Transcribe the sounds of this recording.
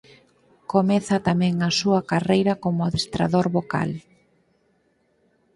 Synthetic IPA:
komɛθɐt̪amɛ̃ŋɐsuɐkarejɾɐkomʊaðest̪ɾa̰ðoɾβoka̰l

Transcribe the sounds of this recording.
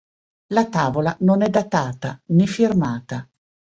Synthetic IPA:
lat̪aːvolanonɛd̪at̪aːt̪anɛfirmaːt̪a

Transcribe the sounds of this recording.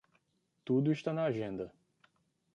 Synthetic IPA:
t̪ud̪ʊɪʃt̪anɐaʒẽnd̪ɐ

